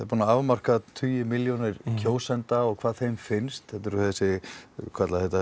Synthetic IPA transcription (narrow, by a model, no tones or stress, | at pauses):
ɛɾpuːnaavmar̥kat̪ʰyːjʏmɪljownɪɾcʰoːwsɛnt̪aɔɣkʰv̥aːðθejmfɪnst̪θɛt̪ɪɾθɛsɪkʰat̪laðhɛt̪a